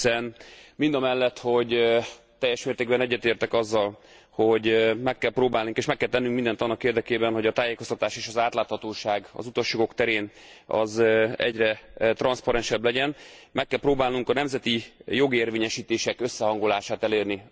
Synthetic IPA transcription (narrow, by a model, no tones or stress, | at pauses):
isɛnmind̪ɒmɛlːɛt̪ho̞ɟ | t̪ɛjːɛʃmeːrt̪eːɡbɛnɛɟːɛt̪eːrt̪ɛkɒzːɒl | ho̞ɟmɛkːɛlproːbaːlnuŋkeːʃmɛkːɛlt̪ɛnːyŋkmind̪ɛnt̪ɒnːɒkeːrd̪ɛkeːbɛnho̞ɟɒt̪aːjeːko̞st̪ɒt̪aːʃeːʃɒzaːt̪laːt̪hɒt̪oːʃaːɡɒ̰zut̪o̞ʃjoɡo̞kt̪ɛɾeːnɒ̰zɛ̰ɟrɛt̪rɒnspɒɾɛnʃɛblɛɟɛnmɛkːɛlproːbaːlnuŋkɒnɛmzɛt̪ijo̞ɡeːrveːɲɛʃiːt̪eːʃɛkø̞sːɛɦɒŋɡo̞laːʃaːt̪ɛleːrni